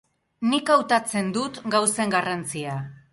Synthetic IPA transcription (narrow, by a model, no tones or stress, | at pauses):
nikawt̪at͡se̞nd̪ut̪ɡawse̞ŋɡarant͡sia